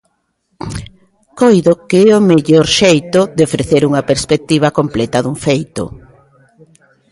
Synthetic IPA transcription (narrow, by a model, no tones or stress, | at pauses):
kojðokeɛomeʎoɾʃejt̪ʊd̪eofɾeθeɾuŋɐpeɾspek̚t̪iβ̞ɐkomplɛt̪ɐðuɱfejt̪ʊ̰